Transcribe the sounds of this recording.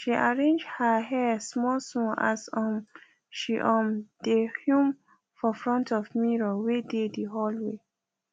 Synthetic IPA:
ʃiʔaɹẽnd͡ʒhəɦɛsmɔlsɔ̃a̰sɔ̃m | ʃiʔɔ̃mdehjũm | fɔfɹɔ̃ntʰɔfmiɹɔwedediɦɔlwe

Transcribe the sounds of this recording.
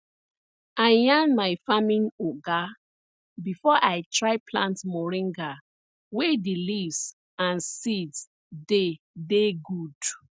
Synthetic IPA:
aɪjãnmajfamĩnoɡa | bifɔʔaɪtʰɹaɪpʰlãntmɔɹĩŋɡa | wedilivs | ãnsids | de | deɡud̥

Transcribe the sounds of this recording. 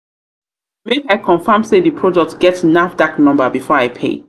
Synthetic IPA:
mekaɪkʰɔ̃nfãmseðipʰɹɔdɔk̚tɡɛtsnafdaknɔ̃mbəbifɔɹaɪpʰḛ

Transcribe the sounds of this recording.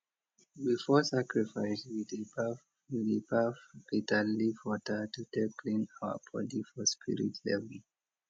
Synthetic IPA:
bifɔsakɹifaɪswidb | widibafitalifwɔtʰətutɛkʰlĩnawə̰bɔ̰difɔspʰḭɹḭtʰlɛ̰vəl

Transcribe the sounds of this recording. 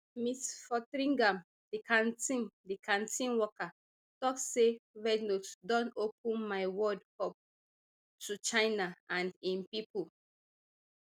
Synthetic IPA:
mitfɔtɾĩŋɡãm | dikʰãntĩndikʰãntʰĩnwɔka | tɔksevɛɡnotdɔ̃nopʰũnmaɪwɔdkɔp̚ | tʰut͡ʃaɪnaʔãndĩnpipul

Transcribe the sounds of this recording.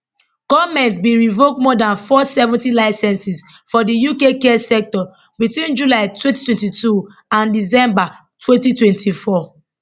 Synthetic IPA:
ɡ̥ɔvmɛ̃ntsbiɹivok̚mɔdãnfɔsɛvɔ̃ntilaɪsɛ̃nsis | fɔdijukekɛsɛk̚tɔ | bitwĩnd͡ʒulaɪtʰwɛ̃nti̥twɛ̃ntitu | ãndisɛ̃mba | tʰwɛ̃ntitwɛ̃ntʰifɔ

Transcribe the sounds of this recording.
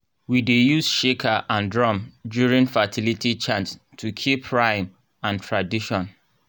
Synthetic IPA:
widejusʃekʰaʔãndɹɔ̃mdjuɹĩnfatʰilitit͡ʃãns | tʰukʰipʰɹãɪ̃m | ãntʰɹadiʃɔ̃n

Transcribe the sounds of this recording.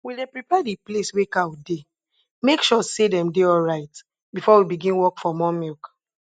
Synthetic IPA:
widẽpɹipadipleswekawde | mekʃɔsedɛ̃mdeɔlɹaɪt | bifɔwibiɡĩnwɔkfɔmɔmilk

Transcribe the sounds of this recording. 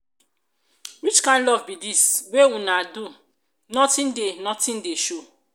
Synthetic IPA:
wit͡ʃkãɪ̃nlɔvbidisweũnadu | nɔtĩndenɔtĩndeʃo

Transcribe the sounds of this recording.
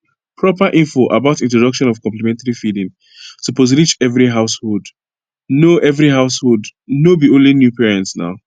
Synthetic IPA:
pʰɹɔpəʔĩɱfoʔə̰baʊtĩntɹɔdʌkʃɔ̃nɔv̥kɔ̃mplimɛ̃ntaɹifidĩŋ | tʰupɔzilid͡ʒɛvɹiɦaʊshod | noʔɛvɹiɦaʊshodnobiõnlinjupɛɹɛ̃ntsna̰ʊ

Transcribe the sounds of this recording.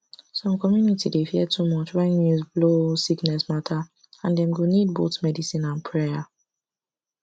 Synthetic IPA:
sɔ̃mkɔmjunitidefiɛtʰumɔt͡ʃwɛ̃njuzblosiknɛsmatʰa | ãndɛ̃mɡonid̚boθmɛdisĩnãnpʰɹɛa

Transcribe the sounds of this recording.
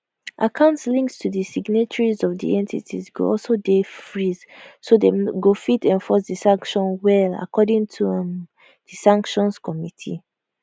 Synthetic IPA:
ʔakʰãʊ̃ntslĩŋkstʰuðisiɡnet͡ʃɔɹizɔvdḭɛ̃ntʰitʰḭzɡo̰ɔlsodefɹiz̥sodeɡofitɛ̃nfɔs̬disãŋkʃɔ̃nwɛla̰kʰɔdĩŋtʰum | d̥isãŋkʃɔ̃nskʰɔmitʰḭ

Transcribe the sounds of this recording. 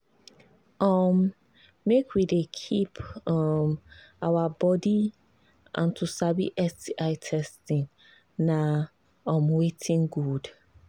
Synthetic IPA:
ɔmː | ekʰwidekʰipʰɔmawabɔdi | ʔã̰ntʰusabḭʔɛstiʔaɪtʰɛstĩŋ | na | ɔ̃mwetʰĩŋɡud

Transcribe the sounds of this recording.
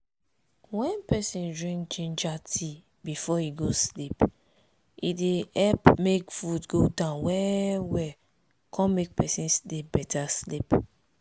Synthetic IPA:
wɛ̃npɛsĩndɹĩŋkt͡ʃẽnd͡ʒatʰi | bifɔiɡoslip | ideɛlpmekfudɡodãʊ̃nwɛwɛ | kʰɔ̃mek̚pɛsĩnsdebɛtʰaslip

